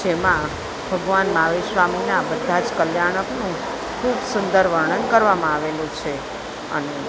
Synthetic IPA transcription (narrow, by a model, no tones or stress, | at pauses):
d͡ʒemã | bʱəɡʋanmaʋiʃʋaminabəd̪ʱad͡ʒkəljaɽ̃əknũ | kʰubsʊnd̪əɾʋəɾɳ̃ənkəɾʋamãaʋelũt͡ʃʰe | ə̰ne